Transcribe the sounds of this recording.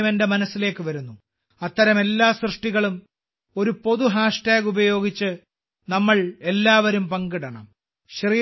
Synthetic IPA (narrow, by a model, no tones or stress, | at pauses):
mendemɐnɐsːile̞ːkːɨʋɐɾunːu | ɐt̪ːɐɾɐme̞lːaːsrɨʂʈiɣɐɭum | o̞ɾupo̞ðuɦaːʂʈaːɡubɐjo̞ːɡit͡ɕːɨ | nɐmːɐɭe̞lːaːʋɐɾumpɐŋɡiɽɐɳɐ̰m | ɕriː